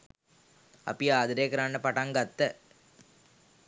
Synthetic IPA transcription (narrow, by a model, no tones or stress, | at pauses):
ɐ̰piaːðɐɾeːkɾaːɳːɐpɐʈɐŋɡɐt̪ːɐ